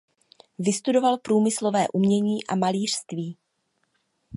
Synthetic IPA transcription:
vɪst̪udo̞valpɾuːmɪslo̞vɛːʔumɲɛɲiːʔa̰maliːr̝̥st̪viː

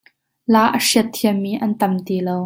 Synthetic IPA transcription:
laːʔəʂiət̪ʰːiəmːiːʔɐnt̪ɐmt̪iːlow

